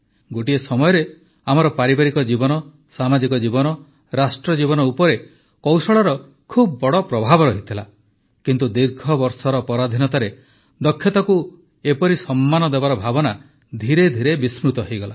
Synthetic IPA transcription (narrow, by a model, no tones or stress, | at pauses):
ɡoʈiesɔmɔjɔɾe | am̤ɔɾɔpaɾibaɾikɔd͡ʒibɔnɔ | samad͡ʒikɔd͡ʒibɔnɔ | ɾasʈɾɔd͡ʒibɔnɔupɔɾe | kɔwsɔɭɔɾɔ | kʰubbɔɽɔpɾɔbʱabɔɾɔɦit̪ʰila | kint̪ud̪iɾɡʰʱɔbɔɾsɔɾɔpɔɾad̪ʱinɔt̪aɾe | d̪ɔkʰːjɔt̪ɔku | epɔɾisɔmːanɔd̪ebaɾɔbʱabɔna | d̪ʱiɾed̪ʱiɾebismɾut̪ɔɦejɡɔla